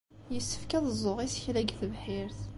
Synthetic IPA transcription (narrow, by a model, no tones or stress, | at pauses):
jəsːə̥fkæðəzˤːoʁisçlæɡθəvħɪɾθ